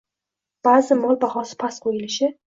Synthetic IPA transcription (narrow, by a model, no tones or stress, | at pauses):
b̥aːzɪmɒlˠbahɒsɪ̥pʰasqʰojɪlɪʃɪ